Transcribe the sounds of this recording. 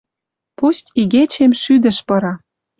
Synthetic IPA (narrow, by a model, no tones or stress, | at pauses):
pustʲiɣet͡ɕemʃyd̪ə̆ʃpɤ̆ɾɑ